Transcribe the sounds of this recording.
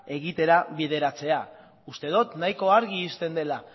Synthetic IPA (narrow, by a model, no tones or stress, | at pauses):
e̞ɣit̪e̞ɾaβið̞e̞ɾat͡se̞a | ust̪e̞ð̞ot̪najko̞aɾɣiːst̪e̞nd̪e̞la